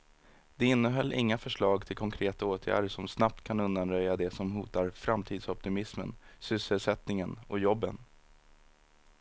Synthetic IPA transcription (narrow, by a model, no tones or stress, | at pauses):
d̪̥ɛɪnːəɦœlːʔɪŋːafœʂɭɑːɡt̪ʰɪlkʰɔŋkʰɾeːt̪aoːt̪ʰjæ̰ːɖəʂɔmsnap̚t̪kʰanɵnd̪anɾœjːad̪ɛsɔmɦuːt̪aɾfɾamt̪ʰiːd̪sɔp̚t̪ɪmɪsmə̰nsʏsːəlsɛt̪nɪŋənɔjɔbːə̰n